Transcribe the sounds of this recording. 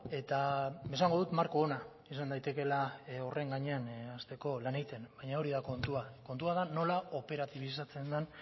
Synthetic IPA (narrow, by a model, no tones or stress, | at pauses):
e̞t̪amesaŋɡo̞ðut̪maɾko̞ːna | isand̪ajt̪e̞ke̞laore̞ŋɡaɲe̞anast̪e̞ko̞lanejt̪e̞nbajɲao̞ɾiðako̞nt̪uako̞nt̪uaðano̞lao̞pe̞ɾat̪iβ̞is̬at͡se̞nd̪an